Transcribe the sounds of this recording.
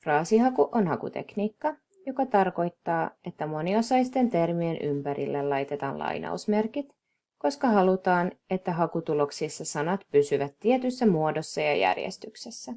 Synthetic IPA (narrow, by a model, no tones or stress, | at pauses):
frɑːsiɦɑkuʔo̞nɦɑkṵt̪e̞̰kniːkːɑ | jo̞kɑt̪ɑrko̞jt̪ːɑːe̞t̪ːæmo̞nio̞sɑjst̪e̞nt̪e̞rmienʔympæɾḭlːelɑjt̪e̞t̪ɑ̰ːnlʔɑ̰jnʔɑ̰usme̞rkit̪ | ko̞skɑɦɑlut̪ɑːne̞t̪ːæɦɑkut̪ulo̞ksisːɑsɑnɑt̪pysyʋæt̪ːie̞t̪ysːæmuo̞do̞sːɑjɑ̰jæ̰rjḛst̪yksesːæ